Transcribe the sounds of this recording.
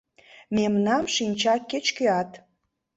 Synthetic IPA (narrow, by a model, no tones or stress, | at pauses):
memnɑmʃinʲt͡ɕɑket͡ɕkøɑt̪